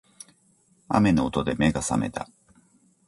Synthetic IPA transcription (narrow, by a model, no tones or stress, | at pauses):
a̰me̞no̞ːt̪o̞d̪e̞me̞ɡasa̰me̞t̪a